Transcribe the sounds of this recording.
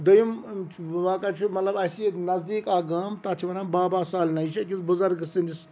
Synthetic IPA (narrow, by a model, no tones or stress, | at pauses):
d̪ojimt͡ʃʰʋãːkat͡ʃʰumɐt̪lɐbɐsinɐzd̪iːkaːɡaːmt̪ɐt͡ʃʰiʋɐnaːbaːbaːsaːlʲnɐjit͡ʃʰɐkisbuzɐɾɡɨsind̪is